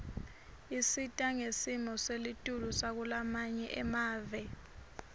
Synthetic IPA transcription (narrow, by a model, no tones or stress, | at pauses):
isitʼaŋesimɔselitʼulusak̬ulamaɲɛʔɛmaːvɛ